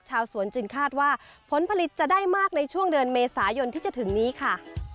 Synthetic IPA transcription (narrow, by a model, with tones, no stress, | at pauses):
t͡ɕʰaː˧wsu˩˦ənt͡ɕɯ˧ŋkʰaː˥˩t̪̚waː˥˩pʰo˩˦npʰa˧li˨˩t̪̚t͡ɕa˨˩daː˥˩jmaː˥˩k̚na˧jt͡ɕʰu˥˩əŋdɯː˧nmeː˧saː˩˦jo˧nt̪ʰiː˥˩t͡ɕa˨˩t̪ʰɯ˩˦ŋniː˦˥kʰa˥˩